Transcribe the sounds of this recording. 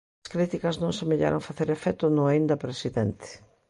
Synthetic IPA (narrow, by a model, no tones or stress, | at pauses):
skɾit̪ikɐznõŋsemeʎa̰ɾa̰ŋfaθeɾefɛt̪ʊnʊaind̪ɐpɾesiðɛnt̪ɪ̥